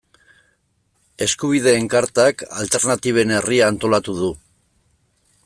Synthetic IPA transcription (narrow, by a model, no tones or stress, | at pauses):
e̞skuβ̞ið̞e̞ːŋkaɾt̪aka̰lt̪e̞ɾnat̪iβ̞e̞ne̞riaːnt̪o̞lat̪uð̞u